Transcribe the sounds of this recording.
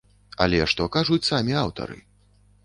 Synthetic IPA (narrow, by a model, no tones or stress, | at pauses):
ɐ̰lʲɛʂt̪ɔkaʐut͡sʲsamʲiawt̪ɐ̰ɾɨ̰